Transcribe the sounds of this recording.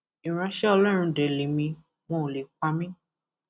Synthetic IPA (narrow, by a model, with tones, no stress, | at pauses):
ĩ˨ɾ̃ã˧ʃɛ˦ɔ˧lɔ˦ɾ̃ũ˧de˨le˨mĩ˧ | w̃ɔ̃˧˦o˨le˨˦k͡pa˧mĩ˦